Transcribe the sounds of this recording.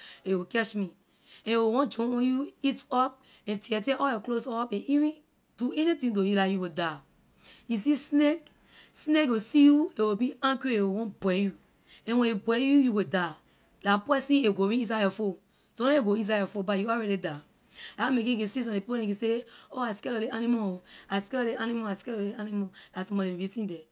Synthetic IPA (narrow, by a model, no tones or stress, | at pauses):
ewikɛt͡ʃmi | ɛ̃ewewɔ̃nd͡ʒɔ̃ɔ̃juitɔp̚ | ɛ̃ntiɛtɛ̃ʔɔjɔklosɔpɛ̃nivĩ | d̥uɛnitĩtojulajuweda | jisisnek | snekwesijuewebiãŋkɹiewewɔ̃nbwɛju | ɛ̃wɛ̃ibɛjujuweda | lapɛsĩeɡoɹĩis̬ajɔfo | sõlaeɡois̬ajɔfobajuɔɹɛɾida | amek̬ĩk̬isis̬ɔ̃ndepipoɛ̃kiseoaskɛlɔleanimɔaskɛlɔleanimaaskɛlɔleanimɔasmɔ̃newibitĩndɛ